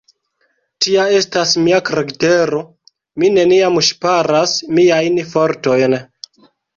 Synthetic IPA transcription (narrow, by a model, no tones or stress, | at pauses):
tiae̞stasmiakɾeɡte̞ɾo̞ | mine̞niamʃpaɾasmiajnfo̞ɾto̞jn